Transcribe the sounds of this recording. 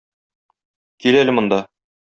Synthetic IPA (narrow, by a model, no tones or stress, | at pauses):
kilælɘmŏnd̪ɑ